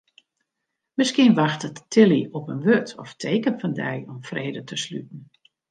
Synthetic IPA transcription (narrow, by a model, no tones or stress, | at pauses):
mɪskiənʋaxtətːʰɪliɔpənʋøtʰɔftʰeːkənfɔndɛjɔmfreːdətʰəslyt̚n̩